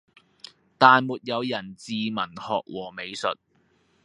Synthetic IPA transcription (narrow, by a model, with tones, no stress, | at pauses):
t̪aː˨nmuː˨t̚jɐ˨˧wjɐ˨˩nt͡siː˨mɐ˨˩nhɔ̰ː˨k̚wʔɔː˨˩me˨˧jsɵ˨t̚